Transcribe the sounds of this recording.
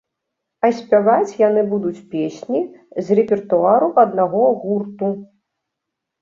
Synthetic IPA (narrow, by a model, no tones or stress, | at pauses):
ɐsʲpʲavat͡sʲjanɨbud̪ut͡sʲpʲesʲnʲizrɛpʲɛrt̪uaɾuʔɐd̪naɣɔɣurt̪u